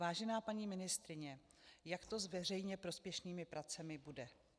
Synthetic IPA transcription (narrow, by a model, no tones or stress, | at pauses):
vaːʒɛnaːpaɲiːmɪnɪst̪ɾɪɲɛ | jakt̪o̞zvɛr̝ɛjɲɛpɾo̞spjɛʃniːmɪpɾat͡sɛmɪbudɛ